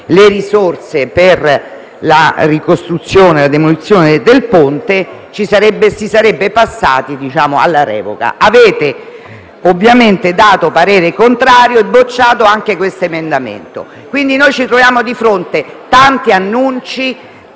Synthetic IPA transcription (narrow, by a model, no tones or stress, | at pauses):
leɾisort̪seper | la̰rikost̪ɾut̪sːjoːnelad̪emolit̪sːjoːned̪elpont̪et͡ʃisaɾɛbːesisaɾɛbːepasːa̰ːt̪id̪it͡ʃaːmoa̰lːaɾɛ̰ːvo̰ka̰ʔaveːt̪e | ovːjament̪ed̪aːt̪opaɾeːɾekont̪ɾaːɾjoebot͡ʃːaːt̪oaŋkekwest̪oemend̪amḛnt̪o̰ | kwind̪inojt͡ʃit̪ɾovjaːmod̪ifɾont̪e | t̪ant̪ianːunt͡ʃi